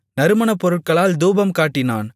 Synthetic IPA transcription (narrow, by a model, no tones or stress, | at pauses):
nɐɾɯmɐɳɐpːɔɾɯʈ̚kɐɭaːld̪uːbɐmkaːʈːɪna̰ːn